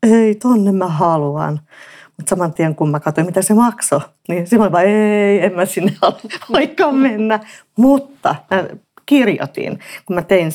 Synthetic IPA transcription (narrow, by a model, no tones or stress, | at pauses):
eit̪onːemmæhɑluɑ̰n | mut̪sɑmɑnt̪ieŋkummækɑt̪oimmit̪æsemɑkso | ninsimɑlʋɑeiemmæsinːeoleoikːɑːmenːæ | mut̪ːɑ̰mæ | kirjo̰t̪ḭnkumæt̪ein